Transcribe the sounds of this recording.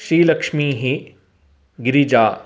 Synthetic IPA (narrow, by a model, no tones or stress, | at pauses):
ʃɾiːlɐkʃmiːɦi | ɡɪɾid͡ʒaː